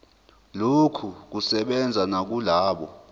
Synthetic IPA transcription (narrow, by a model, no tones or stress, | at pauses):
lokʰuk̬usɛɓɛnd͡zʱanak̬ulaːɓɔ̰